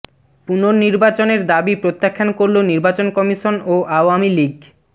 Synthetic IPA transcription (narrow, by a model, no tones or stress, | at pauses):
punoɾniɾbat͡ɕoneɾd̪abipɾot̪ːakʰːankoɾloniɾbat͡ɕonkɔmiʃonoʔaoamiliɡ